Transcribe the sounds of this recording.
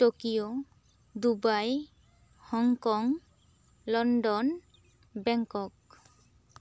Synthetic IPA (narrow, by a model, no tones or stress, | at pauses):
ʈokijo | d̪ubaj | hɔŋkɔŋ | lɔnɖɔn | bɛŋkɔk̚